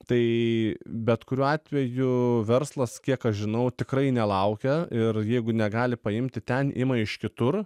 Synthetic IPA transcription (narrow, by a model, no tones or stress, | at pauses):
t̪ɐɪ | bʲɛt̪kʊɾʲuːɑːt̪ʲʋʲɛjʊʋʲɛɾslˠɐskʲiɛkɐʃʒʲɪnɐʊt̪ʲɪkɾɐɪnʲɛlˠɐʊkʲɛɪrjɛɪɡʊnʲɛɡɑːlʲɪpɐɪmʲt̪ʲɪt̪ʲɛnʔɪ̰mɐɪʃkʲɪt̪ʊr